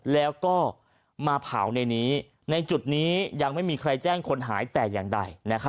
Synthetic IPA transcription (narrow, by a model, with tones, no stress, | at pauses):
lɛː˦˥wkɔː˥˩ | maː˧pʰa̰ː˩˦wna˧jniː˦˥ | na˧jt͡ɕu˨˩t̪̚niː˦˥ja˧ŋma˥˩jmiː˧kʰɾa˧jt͡ɕɛː˥˩ŋkʰo˧nɦaː˩˦jt̪ɛː˨˩jaː˨˩ŋda˧jna˦˥kʰa˦˥